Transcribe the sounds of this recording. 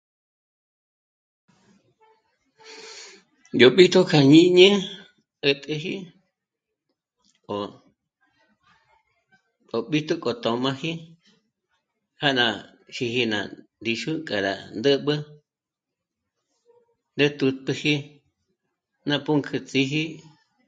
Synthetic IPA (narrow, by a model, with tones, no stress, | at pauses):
jo˨ɓi˦t̪ʰu˦kʰa˨ɲĩ˧ɲə̃˦ | ə˧t̪ʼə˧ɦḭ˦ | o˨ | o˨ɓi˦t̪u˦kʼo˨t̪õ˨mã˧hi˦ | ha˦ʔnã˧ | ʃi˧hi˧nã̰˨nd̪i˧ʃu˦kʼa˨ɾa̰˨nd̪ə˦ɓɨ˦ | nd̪e˦t̪u˧t̪̚pɨ˧hi˦ | nã˧pu˦ŋkʰɨ˧t͡sʼi˧ɦi˦